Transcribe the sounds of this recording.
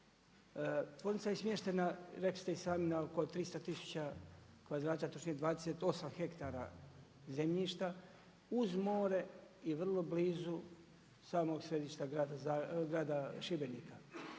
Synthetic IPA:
t̪ʋo̞ɾnit̪sajesmjeʃt̪enaɾekst̪eisaːminaoko̞t̪ɾist̪at̪isu̥t͡ɕa | kʋad̪ɾaːt͡ʃ̪at̪ot͡ʃnied̪ʋaːd̪eset̪o̞samxe̞kt̪aːɾa̰ | zemʎiːʃt̪a | uzmo̞ːɾe̞iʋr̩lˠo̞bliːzu | saːmo̞ɡsɾe̞d̪iːʃt̪aɡaːd̪aaɡɾaːd̪aʃibenika

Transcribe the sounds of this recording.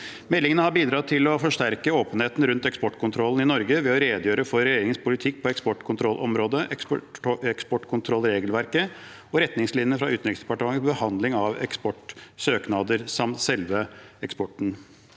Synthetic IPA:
mɛlːɪŋənəhɑɾbiːd̪ɾɑːt̪ʰɪlɔfɔʂʈæɾkəoːpənheːt̪n̩ɾʉnt̪ɛkspɔʈːkʰʊnt̪ʰɾɔlːn̩ɪnɔɾɡəʋɛɔɾeːd̪jøːɾəfɔɾɾɛjeːɾɪŋənspʰʊlɪt̪ʰɪk̚ːpʰɔɛkspɔʈkʰʊnt̪ʰɾɔlʔɔmɾoːd̪ə | ɛkspɔʈkʰʊnt̪ʰɾɔlːɾeːɡəlʋæɾkə | ɔɾɛt̪nɪŋslɪnənəfɾɑʉːt̪nɾɪksd̪ɛpɑʈəmɑŋːəbəhɑnd̪lɪŋɑʋɛ̰kspɔʈsøːknɑːd̪əɾsɑmt̪sɛlʋəɛkspɔʈːɳ̩

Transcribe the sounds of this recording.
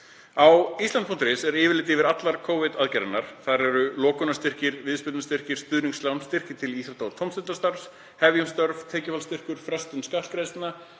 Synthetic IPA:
awist̪lanpʰunt̪ɾɪsɛɾɪːvɪɾlɪːt̪̬ɪvɪɾat̪laɾ̥kʰoːwvɪðaðcaɾɪnːaɾ̥θaðɾɛɾʏlɔːkʏnast̪ɪr̥cɪɾvɪðspɪlnast̪ɪr̥cɪɾ̥st̪ʏðniŋkslawnst̪ɪr̥cɪt̪ʰɪliːsat̪awt̪ʰɔwmst̪ɪnt̪ast̪aɾs | hɛvjʏmst̪œɾv̥t̪ʰɛːcɪfalst̪ɪr̥kʏɾ̥fɾɛst̪ʏnskahlkɾejst̪na

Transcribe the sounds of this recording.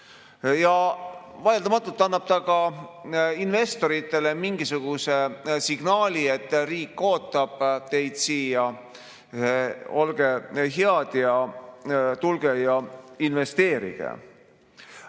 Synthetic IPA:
jɑvɑjeld̪ɑmɑt̪ːˑult̪ːɑnːɑb̥̚t̪ɑɡɑ | inve̞st̪o̞ɾit̪ːˑe̞le̞miŋɡ̥isuɡ̥use̞siɡ̥nɑːlʲiet̪ːˑriːkːo̞ːt̪ːˑɑb̥t̪e̞jd̪̥siːjɑ | o̞lɡ̥e̞ɦeɑd̪̥jɑ | t̪ulɡ̥ejɑinve̞st̪e̞ːɾḭɡ̥ḛ

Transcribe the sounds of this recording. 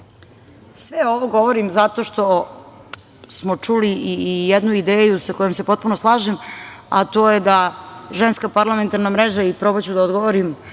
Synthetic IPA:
sʋeo̞ʋoɡo̞ʋoɾimzat̪o̞ʃt̪o̞ | smot͡ʂulijed̪nuid̪eːjusako̞jomse̞po̞t̪̚puno̞slˠaːʒema̰t̪o̞ːjed̪aʒe̞nskapaɾlˠame̞nt̪aɾnamɾeʒaipɾo̞bat͡ɕud̪aod̪ɡoʋoɾim

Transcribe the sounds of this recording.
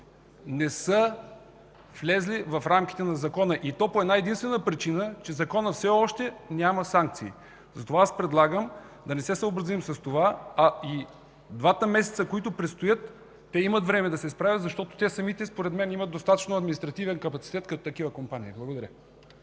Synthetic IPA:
nɛsə | flʲɛzlivɐfɾamkʲi̥t̪ɛnɐzɐkɔnəʔit̪ɔpoɛd̪naɛd̪inst̪vɛnəpɾit͡ʃinət͡ʃɛzɐkɔnəfsɛɔʃt̪ɛnʲamɐsaŋk̚t̪siː | zɐt̪ovaaspɾɛd̪lˠaɡəm | d̪ɐnɛsɛsəobɾɐzimsɐst̪ovaɐi | d̪vat̪əmɛsɛt̪səkoit̪ʊpɾɛt̪st̪ojɤt̪ː | ɛimət̪vɾɛmɛd̪ɐsɛspɾavʲjət̪zɐʃt̪ɔt̪o̥t̪ɛsɐmit̪ɛspoɾɛd̪mɛnimɐt̪d̪ost̪at̪ə̥t͡ʃnoɐd̪minist̪ɾɐt̪ivɛnkɐpɐt̪si̥t̪ɛt̪kɐt̪ot̪ɐkivəkompanʲiːblˠɐɡod̪ɐɾʲə

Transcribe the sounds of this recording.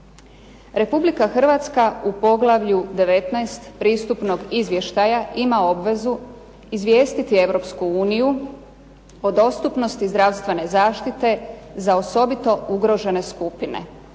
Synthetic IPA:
ɾe̞publikaxr̩ʋat̪skaupo̞ɡlˠaʋʎud̪e̞ʋe̞t̪naest̪pɾiːst̪upno̞ɡizʋje̞ʃt̪ajaimao̞bʋe̞zu | izʋjeːst̪it̪ie̞ʋɾo̞pskuuːniju | o̞d̪o̞st̪upno̞st̪izd̪ɾaʋst̪ʋe̞ne̞zaːʃt̪it̪e̞zao̞so̞bit̪o̞uɡɾo̞ʒe̞ne̞skupine̞̰

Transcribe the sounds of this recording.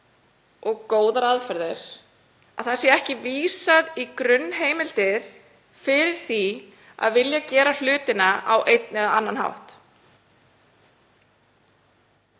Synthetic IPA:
ʔɔɣkoːwðaɾaðfɛɾðɪɾ̥ | aðθḁsjɛɛhcɪviːsaðikɾʏnːɦeːjmɪlt̪ɪɾ̥ | fɪɾɪɾ̥θi | a̰ðvɪljacɛːɾal̥ʏːt̪ɪnaʔawʔejt̪nɛðaanːanɦa̰wht̪

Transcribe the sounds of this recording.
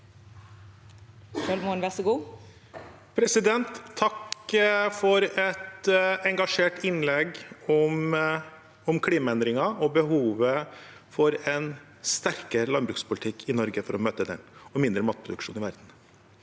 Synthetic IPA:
ʃœlmoːnʋɛsɔɡuː | pʰɾɛsɪd̪ɛnt̪ʰːɑk | fɔɾɛt̪ɛŋɡɑʂeːʈɪnlɛɡɔm | ɔmkʰliːmɑɛnd̪ɾɪŋɑɔbəɦuːʋə | fɔɾɛn | st̪æɾkəɾəlɑnbɾʉːkspʰʊlt̪ʰɪkʰːɪnɔɾɡəfɔɾɔmøːt̪əd̪ɛ̰nɔmɪnd̪ɾəmɑːt̪̚pʰɾʊd̪ʉkʂṵːnɪʋæɾd̪n̩

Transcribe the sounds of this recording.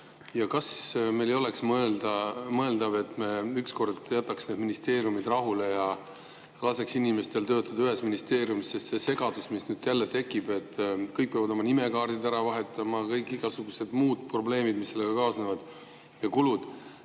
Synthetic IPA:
jɑkɑsme̞jlejo̞le̞ksmɤeld̪ɑmɤeld̪ɑve̞t̪ːˑmeyksko̞rd̪jæt̪ːˑɑksne̞d̪minist̪e̞ːɾijumid̪rɑɦule̞jɑ | kɑːseksinime̞st̪e̞lt̪ø̞ːt̪ːˑɑd̪ɑyɦe̞sminist̪e̞ːɾijumisːest̪se̞se̞ɡ̥ɑd̪̥usmisnyːd̪̥jælːe̞t̪e̞kːˑib̥e̞t̪ːkɤjk̚peɑvɑd̪o̞mɑnime̞kɑːrd̪̥id̪æɾɑvɑɦe̞t̪ːˑɑmɑkɤjkːˑiɡ̥ɑsuɡ̥use̞d̪̥muːd̪̥̚pro̞ble̞ːmid̪misːe̞lːe̞ɡ̥ɑkɑːsnevɑd̪̥ | jɑkulud̪̥

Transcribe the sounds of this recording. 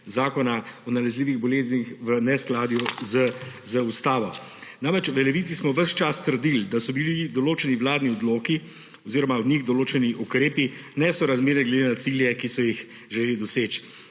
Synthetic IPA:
zaːkɔnaɔnalɛzliːʋiɣbɔleːznixʋənɛsklaːd̪juzəzəust̪aːʋɔ | namɾɛt͡ʃʋəlɛʋiːt̪sismɔʋəʃt͡ʃast̪əɾd̪ild̪asɔbilid̪ɔloːt͡ʃɛniʋlaːd̪niɔd̪loːki | ɔziːɾɔmaɔd̪ɲiɣd̪ɔloːt͡ʃɛniʔukɾeːpinɛsɔɾazmeːɾniɡled̪enat̪siljɛkisɔjix | ʒɛleːlid̪ɔseːt͡ʃ

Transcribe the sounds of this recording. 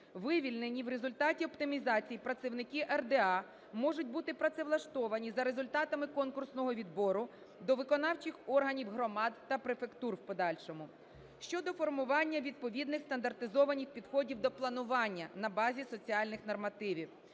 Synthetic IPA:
ʋɪʋʲilʲnenʲiwɾe̞zʊlʲt̪ɑtʲiɔpt̪ɪmʲizɑt͡sʲijipɾɐt̪sɪwnɪkʲiʔɛrd̪eɑ | mɔʐʊtʲbut̪ɪpɾɐt̪sɛʋlˠɐʃt̪ɔʋɐnʲizɐɾe̞zʊlʲt̪ɑt̪ɐmɪkɔnkʊrsnɔɦɔʋʲid̪bɔɾʊ | d̪ɔʋɪkɔnɑwt͡ʃɪxɔrɦɐnʲiwɦɾɔmɑd̪ːɐpɾefe̞kt̪urwpɔd̪ɑlʲʃɔmʊ | ʃt͡ʃɔd̪ɔfɔrmʊʋɑnʲːɐʋʲid̪̚pɔʋʲid̪nɪxst̪ɐnd̪ɐrt̪ɪzɔʋɐnʲixpʲid̪xɔdʲiwd̪ɔplˠɐnʊʋɑnʲːɐnɐbɑzʲisɔt͡sʲiɑlʲnɪxnɔrmɐt̪ɪʋʲiw

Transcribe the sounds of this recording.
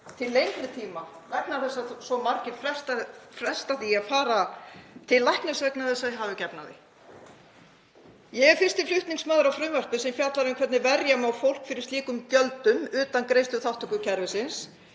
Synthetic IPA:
t̪ʰɪlːejnt̪nɪt̪ʰiːma | lajk̚naɾθɛsːasɔmaɾcɪɾfɾɛ̥st̪afɾɛst̪aθiːaðfaːɾat̪ʰɪllːajhknʏsɛknaθɛsaðɪɦaːvɪcɛpnaðɪ̰ | jɛɣɛɾfɪr̥st̪ɪflʏht̪niŋsmaːðʏɾawfɾʏːmœr̥pɪsɛmfjat̪laɾɪnkʰvɛɾt̪nɪvɛɾjamawfowl̥kfɪɾɪ̥ɾst̪liːkʏmcœlt̪ʏmʏːt̪ankɾejst̪ʏθawht̪ɔkʏcʰɛɾvɪsɪns

